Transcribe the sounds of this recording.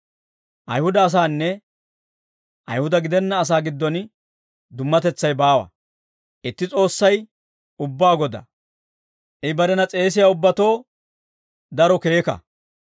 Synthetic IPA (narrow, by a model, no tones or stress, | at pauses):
ʔɐjhʊd̪ɐːs̬aːnːɛ | ʔɐ̰jhʊd̪ɐɡɪd̪ɛnːɐːs̬aːɡɪd̪ːɔn | d̪ʊmːɐt̪ɛt͡sːɐjbaːwɐ̰ | ʔɪt̪ːɪt͡sʼo̞ːsːɐj | ʊbːaːɡɔd̪ɐ̰ | ʔɪbɐɾɛnɐt͡sʼe̞ːs̬ɪjaːʊbːɐt̪o̞ː | d̪ɐɾɔke̞ːkɐ̰